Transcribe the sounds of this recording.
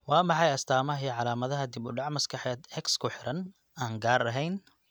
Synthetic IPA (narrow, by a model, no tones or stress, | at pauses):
wɑːmɑħɑjɐst̪ʰaːmɐɦiːʕɑlaːmɐðɐɦɐd̪ɪbʊɖɑʕmɐskʰɐħɛːd̪hɛkskʰʊħɪɾɐn | aːŋɡaːɾɐɦɛjn